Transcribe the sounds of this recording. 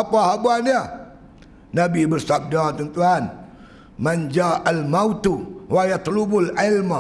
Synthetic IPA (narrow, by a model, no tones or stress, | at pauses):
apahabania | nabibərsap̚dat̪ənt̪uan | mand͡ʒaʔalmaut̪uwajat̪lubʊlɪlma